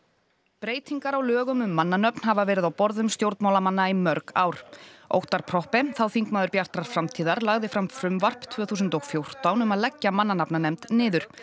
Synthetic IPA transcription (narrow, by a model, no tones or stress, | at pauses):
pɾeːjt̪ʰiŋkaɾawlœːɣʏmʏmːanːanœpn̥havavɛːɾɪðawpɔɾðʏmst̪jowɾt̪maːwlamanːaimœɾka̰ːwɾ̥o̰wht̪aɾ̥pʰɾɔhpɪθawθiŋkmaːðʏɾpjar̥t̪ɾaɾ̥fɾamt̪ʰiːðaɾlaɣðɪfɾamfɾʏmvar̥pt̪ʰvœːθuːsʏnt̪ɔɣfjowr̥t̪awnʏmaðlɛcːamanːanapnanɛmt̪nɪːðʏɾ̥